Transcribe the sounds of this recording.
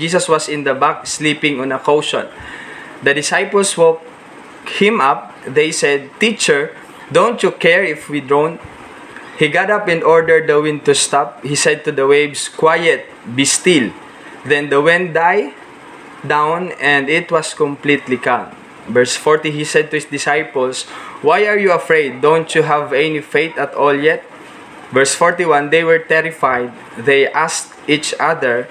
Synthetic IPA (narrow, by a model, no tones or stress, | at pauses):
d͡ʒis̬ɐswɐsɪ̃nd̪ɐbak̚slipɪ̃ŋɔ̃nɐkowʃɔ̰̃n | d̪ɐd̪ɪsajpəlswok̚ | hɪ̃mʔap̚ | ðejsɛd̪̚t̪it͡ʃɛɹ | d̪õʊnt̪jukɛɹɪfwid̪ɹõnt̪̚ | hiɡat̪apɪ̃nɔɹd̪ɛɹd̪̚ːɐwɪ̃n̚t̪ust̪ap̚hisɛd̪̚t̪ud̪ɐwejbskwajɛt̪̚ | bist̪il | d̪ɛ̃nd̪ɐwɛ̃nd̪aj | d̪ãwnɛ̃nd̪ɪt̪wʌskɔ̃mplit̪likãŋ | vɛɹsfɔɹt̪ihisɛd̪̚t̪ʊhɪsd̪ɪsajpɔlswajaɹjuɐfɹejd̪̚ːõnt̪juɦavɛnifejt̪ɐt̪ɔljɛt̪̚ | vɛɹsfɔɹt̪iwãnd̪ejwɛɹt̪ɛɹɪfajd̪̚ | ðejʔast̪ | it͡ʃaðəɹ